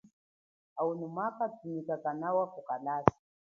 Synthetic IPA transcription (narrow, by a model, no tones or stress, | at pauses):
aunumakatunikakanawakukalasi̥